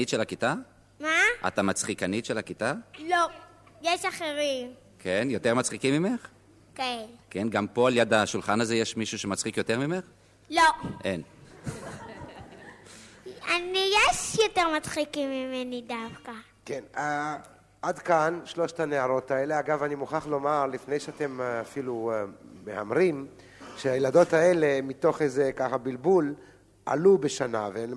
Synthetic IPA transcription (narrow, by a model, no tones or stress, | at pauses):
itʃelakita | maʔa̰t̪amat͡sχikanitʃelakitalo | jeʃaχeʁim | kʰenjot̪eʁmat͡sχikimime̞χ | kaelke̞nɡampo̞aljad̪aʃulχanazejeʃmiʃuʃemat͡sχikjo̞teʁmimeχ | loʔe̞n | anijeʃjoteʁmat͡sχikimːimenidafka | kena | adkanʃlo̞ʃtaneaʁo̞taeleaɡavanimuχaχlo̞maʁlifnejʃeate̞mafilumea̰mʁim | ʃeajelado̞taele̞mito̞χejzekaχabilbul | a̰lubeʃanaveen